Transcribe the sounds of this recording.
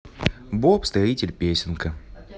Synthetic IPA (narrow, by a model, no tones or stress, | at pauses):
bopst̪ɾɐitʲɪlʲpʲesʲɪnkə